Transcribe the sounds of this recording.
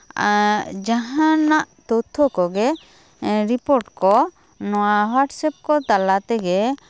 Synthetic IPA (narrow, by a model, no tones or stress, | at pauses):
d͡ʒaɦãnaʔt̪ɔt̪ʰːɔkɔɡɛ | ɾipoɾʈkɔ | nɔwaɦaʈsɛp̚kɔt̪alat̪ɛɡɛ